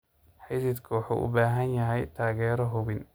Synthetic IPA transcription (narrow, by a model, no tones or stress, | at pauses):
ħajsɪd̪kʰɐwɑħṵʔʊ̰baːɦɐnjɐɦɛjt̪ʰaːɣɛːɾɔɦʊβɪn